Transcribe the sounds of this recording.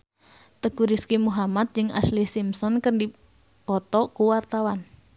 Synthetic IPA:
t̪əɡ̥uɾiskimuɦamat̪̚d͡ʒɨŋʔa̰slihsimsɔnkərndi | pɔt̪ɔkuwart̪awan

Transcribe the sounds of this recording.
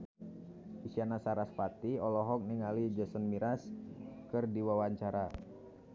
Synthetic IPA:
isianasaɾaspat̪iɔlɔɦɔk̚niŋalid͡ʒəsənmiɾaskɨrdiwawaɲt͡ʃaɾa

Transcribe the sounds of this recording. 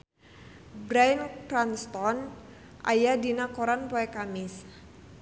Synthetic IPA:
bɾajnkɾanst̪ɔn | ʔa̰jadinakoɾanpoɛkamɪs

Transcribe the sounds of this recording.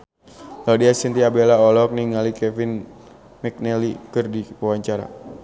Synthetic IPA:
lɔdiasint̪iabɛlaɔlɔk̚niŋalikɛfin | mɛk̚nɛlikɨrdipawaɲt͡ʃaɾa̰

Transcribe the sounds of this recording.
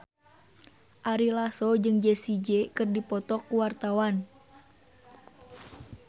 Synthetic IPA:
ʔaɾilasɔd͡ʒɨŋd͡ʒɛsid͡ʒɛkɨrdipɔt̪ɔkːuwart̪awan

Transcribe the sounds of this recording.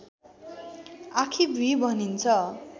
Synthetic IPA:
akʰibʱibʱʌnint͡sʰʌ

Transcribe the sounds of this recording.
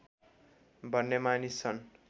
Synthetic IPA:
bʱʌnːemanist͡sʰʌn

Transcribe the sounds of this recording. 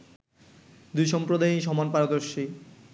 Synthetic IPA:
d̪ujʃɔmpɾod̪ʱajʃ̬ɔmanpaɾod̪oɾʃi

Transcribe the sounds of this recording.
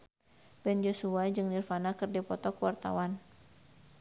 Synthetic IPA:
bɛnd͡ʒɔsuad͡ʒɨŋnirfanakɨrdipɔt̪ɔkəwart̪a̰wan

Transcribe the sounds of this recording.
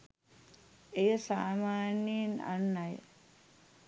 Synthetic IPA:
ejəsaːmaːnina̰nːaj

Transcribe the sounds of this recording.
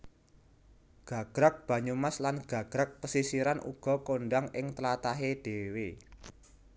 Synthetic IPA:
ɡ̥ä̤ɡ̥ɾak̚b̥ä̤ɲumaslanɡ̥a̤ɡ̥ɾak̚pəsisiɾanʔṵɡ̥ɔ̤koɳɖaŋɪŋt̪əlat̪aɦed̥e̤we

